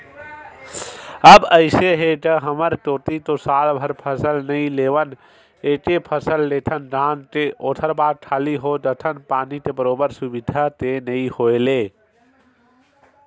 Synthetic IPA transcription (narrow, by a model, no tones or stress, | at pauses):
əbəɪseɦeʈ̪əɦəməɾʈoːt̪it̪osalbʱəɾpʰəsəlnəĩleʋən | eʈ̪epʰəsəlːet̪ʰənɖʱãːnt̪eʔot̪ʰəɾbad̪̚ʈʰaːliɦod̪ət̪ʰənpanit̪ebəɾoːbəɾsubid̪ʱat̪enəihoele